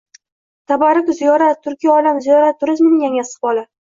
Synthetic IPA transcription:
t̪ʰabaɾɪkʲzijɒɾat̪ʰːʊɾkʲʰijɒlamzijɒɾat̪ʰːʊɾɪzmɪnɪŋjaŋʲasɪ̥χbɒlˠa

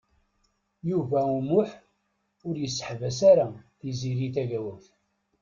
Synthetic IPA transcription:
juvæumʊħ | ʊɾjəsːə̥ħvæsaɾaθiziɾiθæʝæwæf

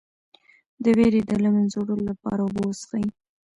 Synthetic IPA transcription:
d̪əweɾed̪əlamanzoɽəlolapɑ̰ɾaʊbowsxaji

